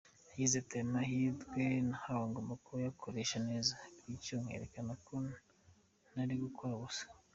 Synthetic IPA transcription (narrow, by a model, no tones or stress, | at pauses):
hizetenaɦidɡenahawaŋɡomakuɾujakʰoɾeːʃaneːzabɡicoŋ̥hḛɾḛkanako | naɾiɡukoaβusḁ